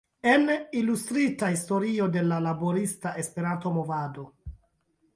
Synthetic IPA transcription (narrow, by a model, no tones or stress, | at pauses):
e̞nilustɾitahisto̞ɾio̞de̞lalaboɾistaʔe̞spe̞ɾanto̞movado̞